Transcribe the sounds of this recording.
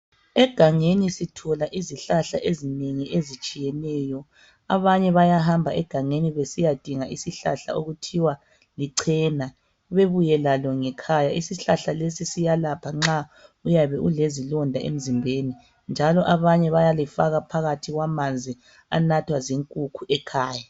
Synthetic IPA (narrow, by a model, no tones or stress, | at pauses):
ɛɡ̥ʱaŋenisitʰɔlaʔiziɬaɬaʔezineŋiʔezit͡ʃʼijɛnɛːjɔ | aβaɲɛβajaɦambʱaʔɛɡ̥ʱaŋeniβesijad̥ʱiŋaʔisiɬa̰ɬa̰oɣutʰiwa | liǀʰɛna | βeβujɛlalɔŋɛkʰajaisiɬaɬalesisijalapʰaŋ͡ǁaujaβɛʔulezilɔndʱaʔḛm̩zimbʱeni | nd͡ʒʱalɔʔaβaɲɛβajalifaɣapʰaɣatʰiɣwamand͡zʱi | a̰natʰwaziŋkʼukʰuʔɛkʰaːja